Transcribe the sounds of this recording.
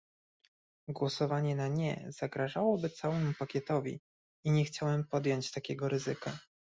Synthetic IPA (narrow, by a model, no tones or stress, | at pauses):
ɡwɔsɔvaɲɛnaɲɛ̰z̥aɡɾaʐawɔbɘt̪sawɛmupakʲɛt̪ɔvʲḭ | iɲɛxt͡ɕawɛmpɔd̪jɔɲt͡ɕt̪akʲɛɡɔɾɘzɘka